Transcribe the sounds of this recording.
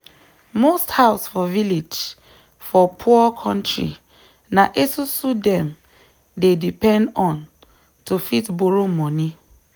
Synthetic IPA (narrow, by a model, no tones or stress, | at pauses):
mosthaʊsfɔviled͡ʒ | fɔpʰuɔkʰɔ̃ntɹḭ | naʔesusudɛ̃m | dedipɛ̃ndɔ̃n | tufitboɹomɔni